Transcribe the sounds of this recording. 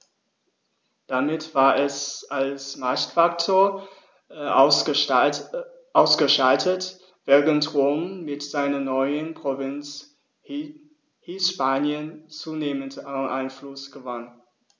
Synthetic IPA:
d̥amɪtv̥aːɐʔɛsalsmaɐçtfaktʰoːɐ | ʔaʊsɡ̥əʃaltʰət | v̥ɛːɐʁəntʁoːmːɪtz̥aɪnɐnɔʏənpʁ̥ovɪnt͡s | hiːsʃpaːnjənt͡suːneːməntʔa̰ɪnflʊsɡ̥əvan

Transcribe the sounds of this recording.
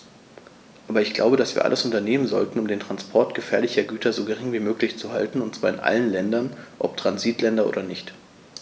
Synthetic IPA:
ʔʔaːbɐɪçɡ̥la̰ʊbədasv̥iːɐʔa̰ləsʊntɐneːmənzɔ̰ltn̩ʊmdeːntʁ̥anspʰɔɐtɡ̥əfɛːɐlɪçɐɡyːtʰɐzoːɡəʁ̞ɪŋviːmøːklɪçt͡suha̰ltn̩ʊntt͡sv̥aːɐɪnʔa̰lənlɛndɐnʔɔp̚tʁ̥anziːtlɛndɐʔo̰ːdɐnɪçt

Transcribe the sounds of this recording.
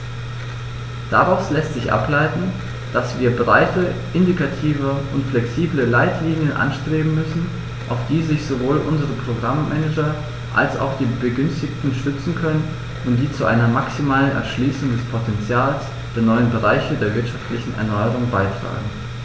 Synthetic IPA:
d̥aʁaʊslɛstz̥ɪçʔa̰plaɪtn̩ | d̥asv̥iːɐbʁaɪtəʔɪndikatʰiːvəʊntflɛksiːbləlaɪtʰliːnjənʔa̰nʃtʁ̥eːbm̩mʏsn̩ | ʔaʊfd̥iːzɪçz̥ovoːlʔʊnzəʁəpʁ̥oɡʁamːɛnɛd͡ʒɐ | ʔa̰lsa̰ʊxd̥iːbəɡʏnstɪçtn̩ʃtʏt͡sn̩kʰœnən | ʊntd̥iːt͡suʔa̰ɪnɐmaksimaːlənʔɛ̰ɐʃliːsʊŋdɛspʰotʰɛnt͡sjaːls | d̥eːɐnɔʏənbəʁaɪçədeːɐvɪɐtʃaftlɪçn̩ɛ̰ɐnɔʏəʁʊŋbaɪtʁ̥a̰ːɡŋ̩

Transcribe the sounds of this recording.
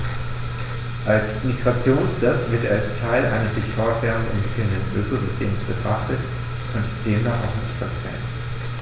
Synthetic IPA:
ʔalsmiɡʁat͡sjoːnsl̥astv̥ɪɐtalstʰaɪlʔa̰ɪnəsz̥ɪçfɔɐtv̥ɛːɐʁəndnɛ̰nv̥ɪkləndənʔøːkozʏstʰeːmsb̥ətʁ̥aχtət | kʰɔntʰəkʁ̥eːnaʔa̰ʊxnɪçtfɛɐtʰʁ̥ɛ̰n

